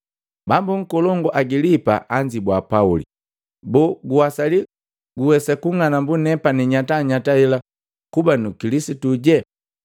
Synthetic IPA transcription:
bambuŋ̩kɔlɔŋɡɔʔaɡilipa̰ʔaɲd͡ʒibwapaulḭ | bɔɡuwasali | ɡuwɛsakuŋanambunɛpaniɲataɲataɛla | kubanukilisituɟɛ

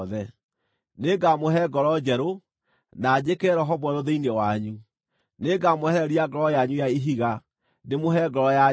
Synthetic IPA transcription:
ðɛ | neɡamoɦɛɡɔɾɔd͡ʒɛɾo | nad͡ʑekɛɾɔɦɔβɛɾoðeinewaɲu | neɡamohɛɾiaɡɔɾɔjaɲujaiɦiɣa | nemoɦɛɡɔɾɔja

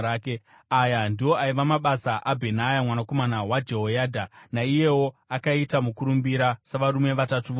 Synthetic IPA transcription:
ke | ajandiwo̞aiʋamaɓasaʔabʱe̞najamwanako̞manawad͡ʒeɦojaːdʱanaije̞wo̞akaitamukuɾumbiɾasaʋaɾume̞ʋatatuʋo

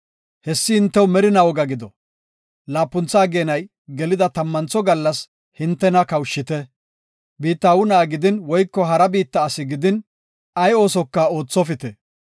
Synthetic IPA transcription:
hɛsːɪhɪnt̪ːɛwmɛɾɪnɐwɔɡɐɡɪd̪ɔ | laːpːʊnt͡sːaːɡeːnɐj | ɡɛlɪd̪ɐt̪ɐmːɐnt͡sɔɡɐlːɐs | hɪnt̪ːɛnɐkɐwʃːɪt̪ɛ | biːt̪ːaːwʊnaːɡɪd̪ɪnwɔjkːɔɦɐɾɐbiːt̪ːɐːsɪɡɪd̪ɪn | ɐjo̞ːsɔkːɐo̞ːt͡sːɔfɪt̪ɛ

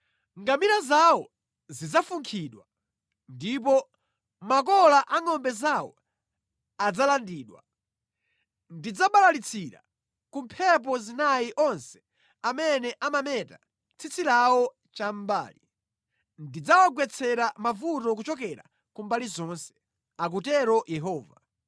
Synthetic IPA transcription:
ŋɡamiɾazawɔ | zid͡zafuŋkʰiɗwa | ndip̬ɔ | makɔlaʔaŋɔmbɛzawɔ̰ | ad͡zalandiːɗwa̰ | ndid͡zaɓalalit͡sʰiɾa̰ | kumpʰɛp̬ɔzinaiʔɔnsɛ̥ | amɛnɛʔamamɛta | t͡sʰit͡silawɔ | t͡ʃam̩ba̰ːli | ndid͡zawaɡwɛt͡sʰɛɾamavutɔk̬ut͡ʃɔkɛɾa̰ | kumbalizɔnsɛ̥ | ak̬utɛɾɔjɛɦɔːva

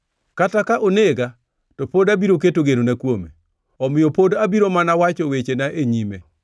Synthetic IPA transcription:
katakaʔoneɡa | tɔpodabiɾoketoɡenonakwomḛ | ɔmɪjɔpodabiɾomanawat͡ʃɔwet͡ʃenaʔeɲime

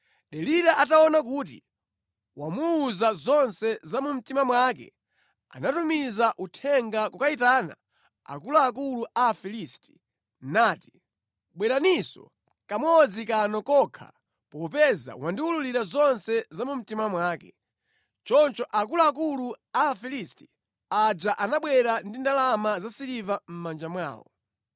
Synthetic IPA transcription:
ɗɛliɾaʔataɔnakuːt̬ḭ | wamuːzazɔnsɛzamum̩timamwakɛ̰ | a̰natumizaʔutʰɛŋɡakukaitaːna̰ | a̰kulaːkuluʔafilisti̥ | naːti̥ | ɓwɛɾanisɔ̰ | kamɔd͡zikanɔkɔkʰa̰ | pɔpɛza̰wandiululiɾazɔnsɛzamum̩timamwaːkɛ̰ | t͡ʃɔnt͡ʃɔʔakulaːkuluaːfilisti̥ | ad͡ʒaʔanaɓwɛɾandindalamazasiɾivam̩mand͡ʒamwa̰ːwɔ̰

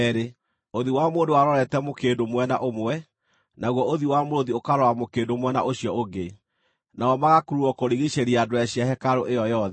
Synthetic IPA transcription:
ɛɾe | oðiwamoːndowaɾɔɾɛtɛmokeːdomwɛnaʔomwɛ | naɣwɔoðiwamoɾoðiokaɾɔamokeːdomwɛna̰ʔoɕjɔoɡe | naɔmaɣakuɾuɔkoɾiɣiɕeɾiadoɛɕiaɦɛkaɾoʔejɔjɔðɛ

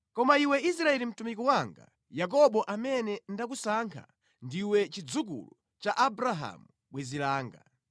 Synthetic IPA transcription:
kɔmaiwɛis̬ɾaɛlim̩tumikɔwaŋɡa̰ | jak̬ɔɓɔʔamɛnɛndak̬usaŋkʰa̰ | ndiwɛt͡ʃid͡zukṵlu | t͡ʃaʔabɾaɦa̰mu | ɓwɛzilaːŋɡa̰

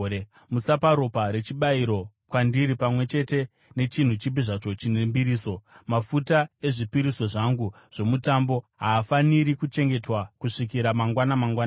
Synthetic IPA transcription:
musapaɾopaɾe̞t͡ʃiɓaiɾo̞ | kwandiɾipamwe̞t͡ʃe̞te̞ | ne̞t͡ʃin̤ut͡ʃibiʐat͡ʃo̞t͡ʃinembiɾiːso̞mafutae̞ʐipiɾiso̞ʐaŋɡu | ʐ̥o̞mutambo̞ɦaːfaniɾikut͡ʃe̞ŋɡe̞twakuʂikiɾamaŋɡwanamaŋɡwaːna

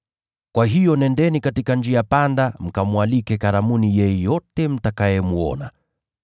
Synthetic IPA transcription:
kwaɦijɔnɛndɛnikatikand͡ʒiapandam̩kamuwalikɛkaɾamunijɛjɛjɔtɛm̩takajɛmuɔ̰na̰

